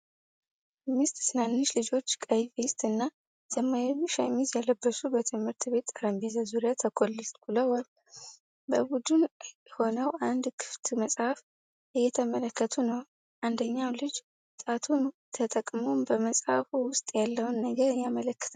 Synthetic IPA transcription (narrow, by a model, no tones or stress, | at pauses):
mɨst̪ʼsɨnanːɨʃlɨd͡ʒo̞t͡ʃːkʼəjfest̪ʼɨnːa | z̥əmːajʃajmizjaləbːəsubət̪ʰɨmhɨɾt̪ʰbe̞t̪ːaɾəmbezazuɾjat̪ʰəkʰolːɨlt̪kuləwal | bəbud̪unɛho̞nəwʔand̪kʰɨ̥ft̪ʰməsʼhaf | ʔɨjːɛt̪ʰəmələkːət̪ʰunəw | ʔand̪əɲːawlɨd͡ʒ | t̪ʼat̪ʰunt̪ʰət̪ʼəkʼmo̞mbəməsʼhafuwʊst̪ʼjalːəwnːəɡəɾɨjːamələkːə̥t̪ʰ